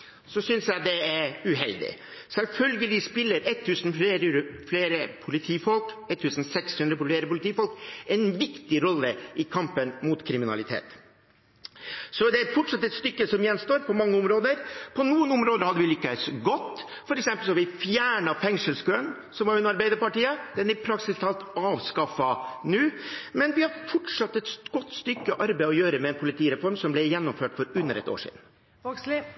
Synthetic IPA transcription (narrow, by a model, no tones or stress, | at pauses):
sɔsʏnsjæɪd̪ɛæɾʉɦɛld̪ɪ̰sɛlfœlɡəlɪspɪlːəɾɛt̪ʰːʉːsnfleːɾəɾfleːɾəpʰʊlɪt̪ʰiːfɔlkɛt̪ʰːʉːsn̩sɛkshʉnd̪ɾəp̪eːɾəpʊlɪt̪ʰiːfɔlkɛnʋɪkt̪ɪɾɔlːəɪkʰɑmpənmʊt̪kʰɾɪmɪnɑ̰lɪt̪ʰḛːt̪ | sɔd̪ɛæɾfɔʈʂɑt̪ːɛt̪st̪ʏkːəsɔmjɛnst̪oːɾpʰɔmɑŋːəʊmɾoːd̪əɾpʰɔnuːənʊmɾoːd̪əɾhɑd̪ːəʋɪlʏkːəsɡɔt̪ː | fɔɾɛksɛmpəlsɔɑʋɪfjæːɳɑfɛŋʂəlskøːn | sɔmʋɑɾʉnɑɾbæɪəɾpɑʈiːəd̪̥ɛnæɾpʰɾɑksɪst̪ʰɑːlt̪ɑːʋskɑfɑnʉːmɛnʋɪhɑd̪fɔʈʂɑt̪ːɛt̪ɡ̥ɔt̪ːst̪ʏkːəʔɑɾbɛæɪɔjøːɾəmɛɛːnpʰʊlɪt̪ʰiːɾɛfɔɾmsɔmblɛjɛnːɔmføːʈfɔɾʉnːəɾɛ̰t̪o̰ːʂḭd̪n̩